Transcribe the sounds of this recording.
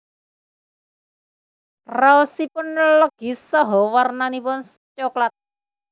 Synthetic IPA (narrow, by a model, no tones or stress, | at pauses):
raosipʊnləɡ̥i̤sɔɦɔwarnanipʊns | t͡ʃoklat̪̚